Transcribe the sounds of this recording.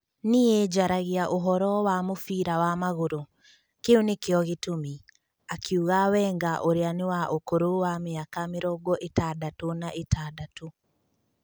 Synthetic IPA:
nied͡ʒaɾaɣeaʔoɦɔɾɔwamofiːɾawamaɣoɾo | keonekeɔɣetomi | akʰiuɣawɛːŋɡaʔoɾeanewaʔokoɾowameakameɾɔɡɔʔetaːdatonaʔetʰaːdato

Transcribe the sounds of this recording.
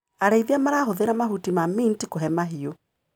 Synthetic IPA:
aɾeiðiamaɾaɦoðeɾamaɦutimamintikoɦɛmaɦio

